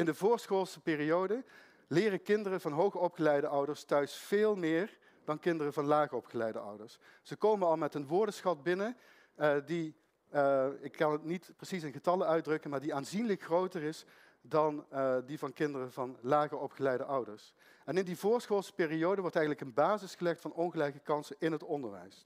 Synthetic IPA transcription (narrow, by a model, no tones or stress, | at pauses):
ɪndəvʊːɹsxoːlˠsəpɪːriowdə | lɪːrəkɪndərəvɑnɦowχəɔpχəlɛjdəʔʌwdəɹstœɥsfɪːlˠmɪːɹ | d̥ɑnkɪndərəvɑnlaːɣərɔpχəlɛjdə̰ʔʌ̰wdəɹs | z̥əkowmənɑlˠmɛtənʋʊːɹdəsxɑt̚bɪnə | di | ɪkːɑnətnitprəsisɪnɣətɑləœɥdrɵkənmaːɹdiaːnzinləkxrowtərɪs | dɑndivɑnkɪndərəvɑnlaːɣəɹɔpχəlɛjdəʔʌwdəɹs | ɛnɪndivʊːɹsχoːlˠspɪːriowdəʋɔɹtɛjɣənləkənbaːzɪsχəlɛxtfɑnɔnɣəlɛjkəkɑnsəɪnɦətɔndəɹʋɛ̰js